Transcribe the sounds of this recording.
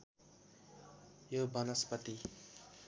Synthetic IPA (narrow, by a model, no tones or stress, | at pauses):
jobʌnʌspʌt̪i